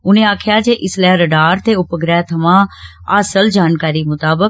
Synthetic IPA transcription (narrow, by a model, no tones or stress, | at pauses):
ʊnẽːaːkʰjaːd͡ʒeːʔɪslɛːɾəɖaːɾt̪eːʊpəɡɾɛːt̪ʰəmãː | aːsəld͡ʒaːnkaːɾiːmʊt̪aːbək